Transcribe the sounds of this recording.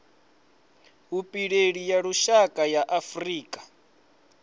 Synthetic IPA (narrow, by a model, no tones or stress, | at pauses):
ɦupʼiɺeɺijaɺuʃakʼajaʔafriːkʼḁ